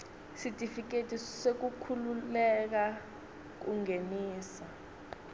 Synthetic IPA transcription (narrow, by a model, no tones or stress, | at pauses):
sitifik̬etʰʼisek̬ukʰululɛk̬a | k̬ṵŋeniːsa